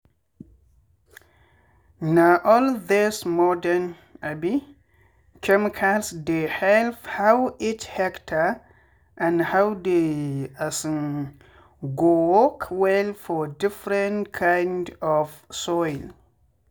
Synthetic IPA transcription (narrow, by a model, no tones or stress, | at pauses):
naʔɔldɪsmɔdən | abi | kʰɛmikʰalsdehɛlvhawithɛktʰə | ʔãnhawdeasn | ɡowɔkʰwɛlfɔdifɾɛ̃nkʰãjndɔfsɔjl